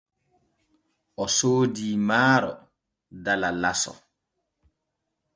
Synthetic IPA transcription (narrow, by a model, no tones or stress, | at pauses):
ʔɔsoːdiːmaːɾɔ | dalalasɔ̰